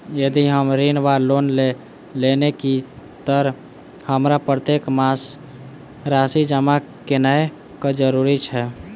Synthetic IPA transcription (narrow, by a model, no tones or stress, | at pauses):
jəd̪iɦəmɾinʋaɾlonle | lenekit̪əɾ | həmɾapɾət̪ekmas | ɾasid͡ʒəmakenəe | kad͡ʒəɾuɾit͡ʃʰɛ